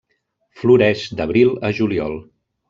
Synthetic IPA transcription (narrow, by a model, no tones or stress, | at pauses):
fluɾɛʒd̪əβɾilˠəʒuliɔ̰lˠ